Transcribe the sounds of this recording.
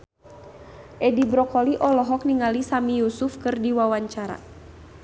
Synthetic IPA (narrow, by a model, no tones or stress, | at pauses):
ʔɛdibɾɔkɔliʔɔlɔɦɔk̚niŋalisamijusufkɨrdiwawaɲt͡ʃaɾa̰